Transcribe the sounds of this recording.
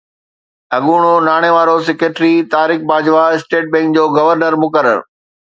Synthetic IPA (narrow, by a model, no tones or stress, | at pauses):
ɐɠuːɽ̃onaːɽ̃eʋaːɾos̬ɛkeʈɾit̪aːɾɪk̚baːd͡ʑʋaɪsʈeːʈ̚bɛ̃ːŋk̚d͡ʑoːɡɐʋəɾnəɾmʊkəɾə̰ɾ